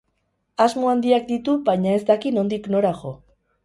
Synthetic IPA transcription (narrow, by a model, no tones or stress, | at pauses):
azmo̞and̪iak̚d̪it̪ubajɲae̞zd̪akino̞nd̪ikno̞ɾaʝo̞